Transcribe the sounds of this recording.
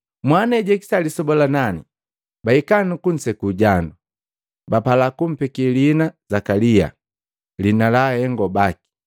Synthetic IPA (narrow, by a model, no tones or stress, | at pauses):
mwanɛɟɛki̥salisɔbɔlanani | baikanukun̩sɛkuɟandu | bapalakum̩pɛkilinazakalia̰ | linalahɛŋɡɔbaki̥